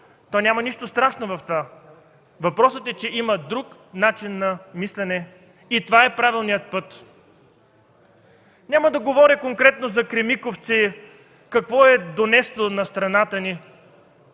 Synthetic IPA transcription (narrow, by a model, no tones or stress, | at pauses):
t̪ɔnʲamɐniʃt̪ost̪ɾaʃnovɐft̪ova | vɐpɾɔsət̪ɛt͡ʃɛiməd̪ɾuknat͡ʃinːɐmislɛnɛ | it̪ovaɛpɾavilˠnijət̪̚pɤt̪ | nʲaməd̪ɐɡovɔɾikoŋkɾɛt̪nozɐkɾɛmikoft̪si | kɐkvɔɛd̪onɛst̪onɐst̪ɾɐnat̪əni